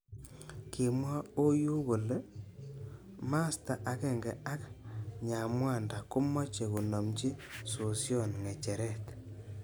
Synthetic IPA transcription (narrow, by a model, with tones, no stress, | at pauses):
kɪ˨mwa˦o˦ju˦ko˨le˦ | ma˦sta˨ʔa˨ke˦˨ŋɡɛ˨a˦kɲa˨mwa˦˨nda˨kʊ˦mɔ˦t͡ʃe˨ku˨nɔ˨mt͡ʃi˦so˨sjɔ˦˨nŋe˨t͡ʃe˨ɾɛ˦˨t